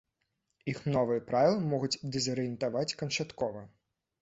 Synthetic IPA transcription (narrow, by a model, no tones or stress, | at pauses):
ixnɔvɨjɐpɾavʲilˠɐmɔɣud͡zʲd̪ɛzɐɾɨjɛnt̪avat͡sʲkɐnʂat̪kɔvɐ